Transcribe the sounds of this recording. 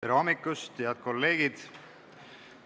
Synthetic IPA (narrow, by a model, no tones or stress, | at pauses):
ɾɑːmikːˑust̪eɑd̪̥̚ko̞lːe̞ːɡ̥id̪̥